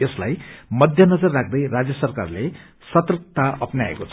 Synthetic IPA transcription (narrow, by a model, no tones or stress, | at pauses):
eslajmʌd̪ʱjʌnʌd͡zʌrːak̚ʰd̪ʌjrad͡zjʌsʌrka̰rle | sʌt̪rk̚t̪aʌpnaḛkot͡sʰ